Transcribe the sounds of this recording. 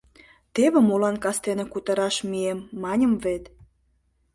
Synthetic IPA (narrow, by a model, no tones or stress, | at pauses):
t̪eβĕmolɑnkɑst̪enekut̪ə̆ɾɑʃmiemːɑnʲə̆mvet̪